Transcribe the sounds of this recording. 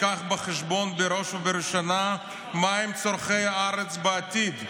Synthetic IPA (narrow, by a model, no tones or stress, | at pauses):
aχbaχɛʃbonbeɾoʃuveɾʃana | maimt͡soɾχejaaɾet͡sbeat̪id̪